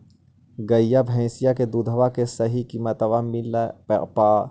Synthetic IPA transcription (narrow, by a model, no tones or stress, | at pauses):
ɡɐjːabʱɛ̃ːsijaked̪ud̪ʱəʋakesɐɦikiːmət̪ɐʋamilapːpaː